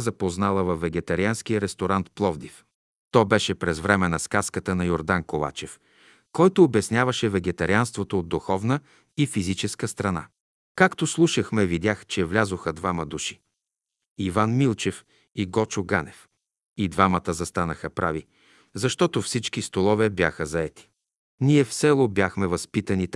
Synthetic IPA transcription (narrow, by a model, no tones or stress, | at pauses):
zɐpoznalˠəvɐfːɛɡɛt̪ɐɾiansk̟ijəɾɛst̪oɾant̪plˠɔvd̪if | t̪ɔbɛʃɛpɾɛzvɾɛmɛnɐskaskət̪ənɐjoɾd̪ankova̰t͡ʃɛf | kɔjt̪oːbɛsnʲavɐʃɛvɛɡɛt̪ɐɾianst̪vot̪oːd̪d̪uxɔvnə | ifizit͡ʃɛskəst̪ɾɐna̰ | kakt̪oslˠuʃəxmɛvid̪ʲaxt͡ʃɛvlʲazoxəd̪vamɐd̪uʃi̥ | ivanmilˠt͡ʃɛf | iɡɔt͡ʃʊɡa̰nɛf | id̪vamət̪əzɐst̪anəxəpɾavi | zɐʃt̪ɔt̪ofsit͡ʃkist̪olˠɔvɛbjaxəzɐɛt̪i̥ | niɛfsɛlˠobʲjaxmɛvɐspit̪ənit̪